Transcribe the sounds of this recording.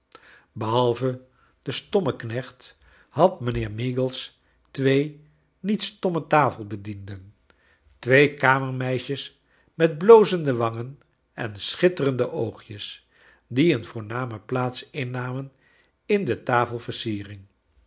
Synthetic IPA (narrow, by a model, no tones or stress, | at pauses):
bəɦɑlˠvə | d̥əstɔməknɛχt | ɦɑtmənɪːɹmiɡəlˠs | tʋej | nitstɔmətaːfəlˠbədindən | tʋejkaːməɹmɛjʃəs | mɛd̚blowzəndəʋɑŋən | ɛ̰nsχɪtərəndəʔowχjəs | diənvʊːɹnaːməplaːtsɪnːaːmən | ɪndətaːfəlˠvəɹsiːrɪŋ